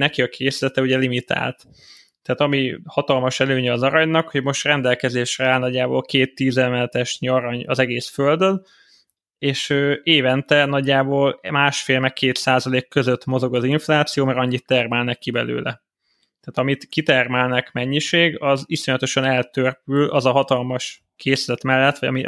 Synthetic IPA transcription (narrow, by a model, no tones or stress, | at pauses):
nɛkiɒkʰeːsilɛt̪ɛuɟɛlimit̪a̰ːlt̪ | t̪aːt̪ɒmihɒt̪ɒlmɒʃɛløːɲɛːzɒɾɒɲnɒkho̞ɟmo̞ʃt̪rɛnd̪ɛlkɛzeːʃrɛaːlnɒɟːaːbo̰ːlkeːt̪ːiːzɛmɛlt̪ɛʃɲiɒɾɒɲɒzɛɡeːsføld̪øn | eːʃøːeːvɛnt̪ɛnɒɟːaːboːlmaːʃfeːlmɛkkːeːt̪saːzɒleːkːø̞zøt̪mo̞zo̞ɡɒziɱflaːt̪sijoːmɛɾɒɲːit̪ːɛrmɛlnɛkːibɛlø̰ːlɛ̰ | t̪ɛːt̪ɒmit̪kit̪ɛrmɛlnɛkmɛɲːiʃeːɡɒziso̞ɲɒt̪o̞ʃɒnɛlt̪ørpylɒzɒɦɒt̪ɒlmɒʃ | kʰeːslɛt̪mɛlːɛt̪ːʋɒ̰ɒ̰mi